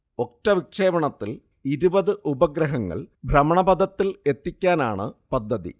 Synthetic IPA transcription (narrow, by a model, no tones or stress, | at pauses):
o̞k̚ʈːɐʋikʂe̞ːbɐɳɐt̪ːil | iɾubɐðɨʔubɐɡɾɐɦɐŋːɐ̰ɭbʱɾɐmɐɳɐbɐd̪ʱɐt̪ːile̞t̪ːikʲːaːnaːɳɨpɐd̪ʱːɐðḭ